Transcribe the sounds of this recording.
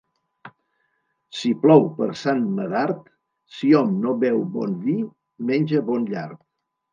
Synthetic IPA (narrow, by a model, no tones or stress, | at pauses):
siplɔwpəɾsanməðaɾt̪ | siɔmnoβɛwbɔ̰nβi | menʲʒəβɔnʎa̰ɾt̪̚